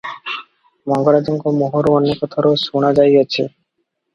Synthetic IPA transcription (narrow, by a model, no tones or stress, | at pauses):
mɔŋɡoɾad͡ʑiŋɡomoɦoɾɔnːikɔt̪ʰɔɾosuɽ̃ad͡ʑajat͡ɕʰḛ